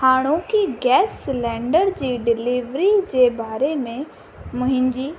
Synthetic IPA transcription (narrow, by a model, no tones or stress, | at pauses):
haːɽ̃õkiɡɛːslɛ̃ːɳɖəɾd͡ʑiːɖɪliʋɾid͡ʑeːbaːɾemẽ | mʊ̃ɦɪ̃ɲd͡ʑiː